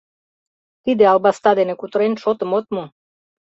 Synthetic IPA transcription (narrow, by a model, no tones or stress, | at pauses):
t̪id̪eɑlbɑst̪ɑd̪enekut̪ɾenʲʃot̪ə̆mot̪̚mu